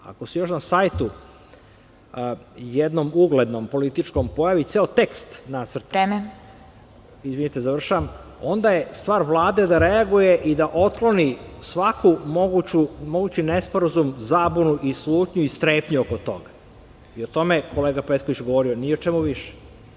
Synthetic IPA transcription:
a̰kosijo̞ʃnasajt̪u | jed̪no̞muɡle̞d̪nompo̞lit̪it͡ʃko̞mpo̞jaʋit̪seot̪e̞kst̪nat̪sər̩t̪em | izʋinit̪ezaʋr̩ʃaʋamo̞nd̪aje̞st̪ʋaːɾʋlˠaːd̪e̞d̪aɾe̞aɡuje̞ʔid̪aʔo̞t̪klo̞nisʋakʰumoɡut͡ɕumo̞ɡuːt͡ɕinespo̞ɾazumzaːbunuʔisluːt̪ɲuist̪ɾeːpɲuokot̪o̞̰ɡa | iot̪o̞meko̞leːɡapet̪koʋit͡ɕɡoʋo̞ɾionijeot͡ʃemuʋiʃe̥

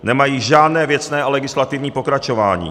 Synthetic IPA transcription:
nɛmajiːʒaːdnɛːvjɛt͡snɛːalɛɡɪslat̪ɪvɲiːpo̞kɾat͡ʃo̞va̰ːɲḭː

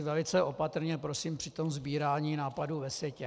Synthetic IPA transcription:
vɛlɪt͡sɛʔo̞pat̪ɾ̩ɲɛpɾo̞siːmpr̥ɪt̪o̞mzbiːɾaːɲiːnaːpaduːvɛsvjɛcɛ

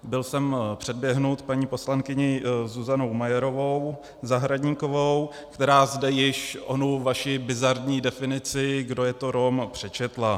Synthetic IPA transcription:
bɪlsɛmpr̥ɛd̚bjɛɦnut̪paɲiːpo̞slaŋkɪɲɪzuzanowmajɛɾo̞vo̞w | zaɦɾadɲiːko̞vo̞w | kt̪ɛɾaːzdɛjɪʃʔonuvaʃɪbɪzaɾdɲiːdɛfɪnɪt͡sɪɡdo̞jɛt̪o̞ɾo̞mpr̝̥ɛt͡ʃɛt̪la

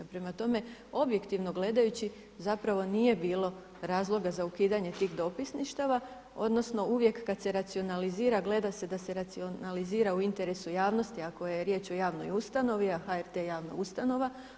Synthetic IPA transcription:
pɾe̞mat̪o̞me̞o̞bje̞kt̪iʋno̞ɡle̞d̪ajut͡ɕi | zapɾaʋo̞nije̞biːlˠo̞ | ɾaːzlˠo̞ɡazaukiːd̪aɲe̞t̪iːxd̪o̞pisniʃt̪aʋa | o̞̰d̪no̞sno̞uʋje̞kːad̪se̞ɾat̪sio̞naliziːɾaɡle̞d̪ase̞d̪ase̞ɾat̪sionaliziːɾauint̪e̞ɾe̞sujaːʋno̞st̪iakojeɾje̞ːt͡ʃo̞jaːʋno̞̰just̪ano̞ʋiaxaeɾt̪ejaːʋnoust̪ano̞ʋa

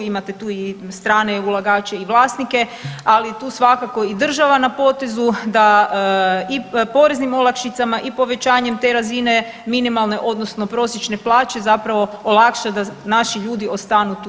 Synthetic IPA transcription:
imat̪et̪uːist̪ɾaːneulˠaɡaːt͡ɕeiʋlˠaːsnike̞alit̪uːsʋakako̞id̪r̩ʒaʋanapo̞ːt̪e̞zud̪a | ipo̞ɾe̞znimo̞lakʃit̪samaʔipo̞ʋe̞t͡ɕaːɲemt̪e̞ɾazine̞ | minimalˠne̞ʔo̞d̪nosno̞pɾo̞sje̞t͡ʃne̞plˠaːt͡ʃe̞zapɾaʋo̞olˠakʃad̪anaʃiʎuːd̪io̞st̪anut̪ː

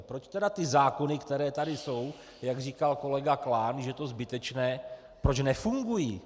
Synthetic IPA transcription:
pɾot͡ʃt̪ɛdat̪ɪzaːko̞nɪkt̪ɛɾɛːt̪adɪso̞w | jaɡriːkalko̞lɛɡaklaːnʒɛt̪o̞zbɪt̪ɛt͡ʃnɛː | pɾot͡ʃnɛfuŋɡujiː

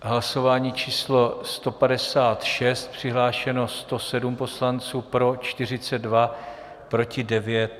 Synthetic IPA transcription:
ɦlaso̞vaːɲiːt͡ʃiːslo̞st̪o̞padɛsaːt̪ʃɛst̪̚pr̝̥ɪɦlaːʃɛno̞st̪o̞sɛdumpo̞slant͡suːpɾo̞t͡ʃt̪ɪr̝ɪt͡sɛd̪̚va | pɾo̞cɪdɛvjɛt̪̚

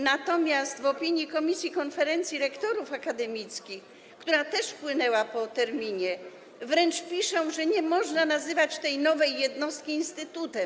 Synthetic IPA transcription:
nat̪ɔmʲjast̪vɔpʲiɲjikɔmʲisʲjikɔnfɛɾɛnt̪sʲjiɾɛkt̪ɔɾufakad̪ɛmʲit̪skʲix | kt̪uɾat̪ɛʂpwɘnɛwapɔt̪ɛɾmʲiɲɛ | vɾɛnt͡ʂpʲiʂɔ̃w̃ʐɛɲɛmɔʐnanazɘvat͡ɕt̪ɛjnɔvɛjːɛd̪nɔst̪̚kʲiːnst̪ɘt̪ut̪ɛm

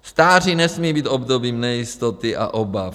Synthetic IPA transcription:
st̪aːr̝inɛsmiːbiːt̪o̞bdo̞biːmnɛjɪst̪ot̪ɪʔa̰ʔobaf

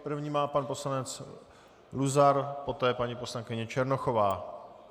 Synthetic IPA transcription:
pɾ̩vɲiːmaːpanpo̞slanɛt͡s | luzaɾpo̞t̪ɛːpaɲipo̞slaŋkɪɲɛt͡ʃɛɾno̞xo̞vaː

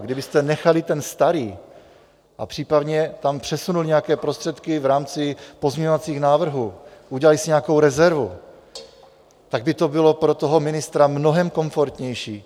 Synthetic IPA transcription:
ɡdɪbɪst̪ɛnɛxalɪt̪ɛnst̪aɾiː | ʔapr̥iːpad̪ɲɛt̪ampr̝̥ɛsunulɲɛakɛːpɾo̞st̪r̥ɛt̪kɪvɾaːmt͡sɪpo̞zmɲɛɲovat͡siːxnaːvr̩ɦuːʔuɟɛlalɪsɪɲɛako̞wɾɛzɛɾvu | t̪aɡ̚bɪt̪o̞bɪlo̞pɾo̞t̪oɦo̞mɪnɪst̪ɾamno̞ɦɛmko̞ɱfo̞ɾt̪ɲɛjʃiː

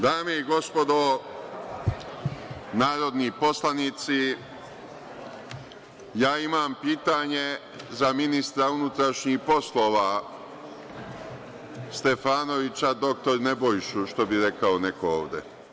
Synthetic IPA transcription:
d̪aːmeiɡo̞spo̞d̪o | naːɾo̞d̪nipo̞slaniːt̪si | jaːimaːmpiːt̪aːɲe̞ | zaminist̪ɾaunut̪ɾaʃɲihpo̞slo̞ːʋa | st̪e̞faːno̞ʋit͡ɕad̪o̞k̚t̪o̞ɾne̞bojiʃuʃt̪o̞biɾe̞kaone̞koo̰ːʋd̪ḛ

